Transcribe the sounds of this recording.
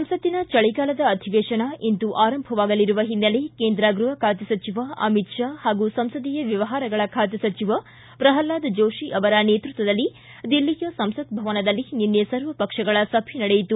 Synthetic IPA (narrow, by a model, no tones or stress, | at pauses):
sɐmsɐt̪ːinɐt͡ʃɐɭiɡaːlɐd̪ɐːd̪ʱiʋɛːʂɐɳɐʔint̪uʔaːɾɐmbʱɐʋaːɡɐliɾuʋɐɦinːɐlekeːnd̪ɾaɡɾuɦɐkʰaːt̪jɐsɐt͡ʃiʋɐɐ̰mit̪ʂaːhaːɡusɐmsɐd̪ijɐʋjɐʋɐɦaːɾɐɡɐɭɐkʰaːt̪̬jɐsɐt͡ʃiʋɐ | pɾɐɦɐlːaːd̪d͡ʒoːʂiʔɐʋɐɾɐneːt̪ɾut̪ʋɐd̪ɐlːi | d̪ilːijɐsɐmsɐt̪̚bʱɐʋɐnɐd̪ɐlːininːjesɐɾʋɐpɐkʂɐɡɐɭɐsɐbʱinɐɽejit̪u